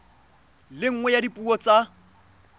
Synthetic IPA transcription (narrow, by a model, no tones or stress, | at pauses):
lɪŋ̩ŋwɛjadipʼuɔt͡sʼa